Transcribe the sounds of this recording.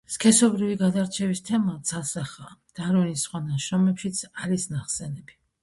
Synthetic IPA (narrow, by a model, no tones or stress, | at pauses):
skʰɛsɔbɾiviɡad̪aɾt͡ʃʰɛvist̪ʰɛmat̪sasaχad̪̥aɾvinisχwanaʃɾɔmɛpʃit̪sʰaɾisnaχsɛnɛbi